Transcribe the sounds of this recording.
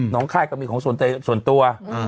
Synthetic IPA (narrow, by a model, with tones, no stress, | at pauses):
nɔː˨˩˦ŋkʰaː˥˩jka˥˩miː˧kʰɔː˨˦ŋsu˨˩nt͡ɕa˧su˨˩ənt̪u˧ɐ˩